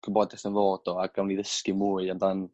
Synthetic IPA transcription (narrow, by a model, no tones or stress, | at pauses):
kʰəmbɔdɛθənvoːd̥ɔaɡawniðəskɨmuːɨandan